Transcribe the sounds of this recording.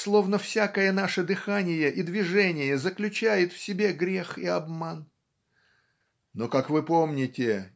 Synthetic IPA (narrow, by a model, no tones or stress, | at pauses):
slˠo̞vn̪əfsʲakəjənaʂəd̪ɨxanʲɪjəʔid̪vʲɪʐɛnʲɪjəzəklʲʉt͡ɕæjɪt̪fsʲɪbʲe̞ɡɾʲe̞xiɐbman | nokakvɨpo̞mnʲɪtʲɪ